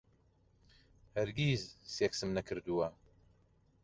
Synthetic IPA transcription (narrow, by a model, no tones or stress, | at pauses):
hɐɾɡʲiːzseːksɨmnɐkʰɨɾd̪uwɐ